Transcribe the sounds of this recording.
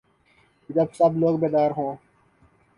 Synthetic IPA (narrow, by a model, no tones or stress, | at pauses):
d͡ʒɐbsəbloːɡ̚beːd̪aːɾɦõː